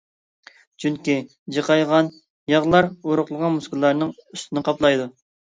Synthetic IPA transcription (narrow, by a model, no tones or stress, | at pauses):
t͡ʃʰyŋkʲi | d͡ʒəqɑjʁɑn | jɑʁlˠɑɾoɾʊχlˠəʁɑnmuskʰlˠɑɾnɨŋyst̪ʰɪnɪqʰɑplˠɑjd̪u